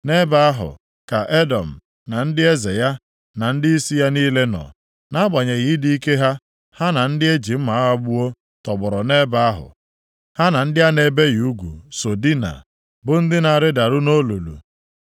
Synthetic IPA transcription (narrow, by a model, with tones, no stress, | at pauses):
ne˦ba˦a˦ɦʊ̰˨ | ka˨ʔe˦dɔ˨m̩˨ | na˨n̩˦dɪ˦e˦ze˨ja˦ | na˨n̩˦dɪ˦i˦si˦ja˦niː˦le˦nɔ̰˨ | na˦ɡ͡ba˨ɲe˨ɣi˨˦di˦i˦ke˦ɦa˦ | ha˦na˨n̩˦dɪ˦e˦d͡ʒi˨m̩˦ma˨a˦ɦa˦ɡ͡bu˦o˦ | tɔ˨ɡ͡bɔ˨ɾɔ˨ne˦ba˦a˦ɦʊ̰˨ | ha˦na˨n̩˦dɪ˦a˦ne˦be˦ɣu˦ɡʷṵ˨so˨di˦na̰˨ | bʊ˦n̩˦dɪ˦na˨ɾɪ˦da˨ɾʊ˦no˦lu˨lṵ˨